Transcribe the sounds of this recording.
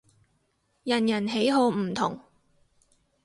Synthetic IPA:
jɐ˨˩njɐ˨˩nɦe˨˥jɦo˧wm̩˨˩t̪ʰʊ˨˩ŋ

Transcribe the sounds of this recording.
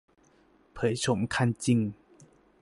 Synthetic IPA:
pʰə˨˩jt͡ɕʰo˨˩˦mkʰa˥˧˨nt͡ɕi˥˧˨ŋ

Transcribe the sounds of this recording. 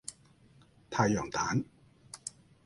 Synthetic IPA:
t̪ʰaː˧jɔː˨˩ŋt̪ʰa̰ː˨˦˥n

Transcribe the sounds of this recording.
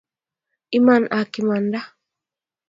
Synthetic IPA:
i˦ma˨nʔa˨kima˨nda˦

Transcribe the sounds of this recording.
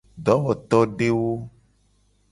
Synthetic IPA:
ɖɔ˨˦wɔ˨t̪ɔ˦ɖe˦wo˦

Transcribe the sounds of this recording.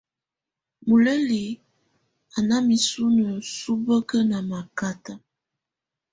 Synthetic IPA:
mu˨le˦li˨ | a˨na˦mi˨su˦nə˨su˦bə˦kə˦na˨ma˨ka˦ta˨

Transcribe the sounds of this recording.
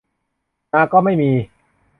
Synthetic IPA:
naː˧kɔː˥˩ma˥˩jmiː˧

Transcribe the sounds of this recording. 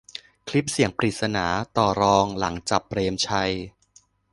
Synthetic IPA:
kʰli˦˥p̚si˩˦əŋpɾiː˨˩t̪̚sa˧naː˩˦t̪ɔː˨˩ɾɔː˧ŋla˩˦ŋt͡ɕa˨˩p̚ːɾeː˧mt͡ɕʰa˧j

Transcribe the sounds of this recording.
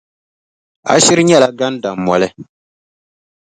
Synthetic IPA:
a̰˨ʃi˦ɾɨ˦ɲɛ˦la˨ɡa˦nda˨mːɔ˨lɛ˦

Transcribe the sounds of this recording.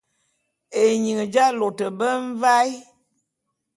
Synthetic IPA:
e˨ɲi˨ŋə˨d͡ʒa˦lo˨tə˨bə˦ɱ̩˦va˦i˦

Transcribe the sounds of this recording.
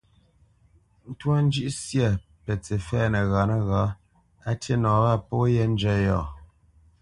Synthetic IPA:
n̩˦twa˦n̩˦d͡ʒʉ˦ʔsjɛ˦˨ | pɛ˨t͡se˨fɛː˦˨nə˨ɣa˨nə˦ɣa˨˦ | a˦te˦nɔː˨ba˦˨po˦jɛ˦n̩˦d͡ʒɛ˦jɔ˨

